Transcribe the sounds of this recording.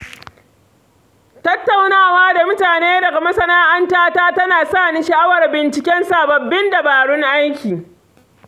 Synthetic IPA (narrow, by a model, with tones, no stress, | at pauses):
tɐ˦tːa˨wnaː˦˨waː˦da˨mʊ˦taː˨neː˦dɐ˨ɡa˨mɐ˦sɐ˦naː˦ʔa˦ntaː˦taː˦tɐ˦naː˨sa˦˨ni˦ʃɐ˨ʔa˦wɐ˨rbɪ˨nt͡ʃɪ˨kʲɛ˦nsa˦bɐ˨bːɪ˦nda˨baː˨ɽʊ˦ŋʔa˦jkʲiː˨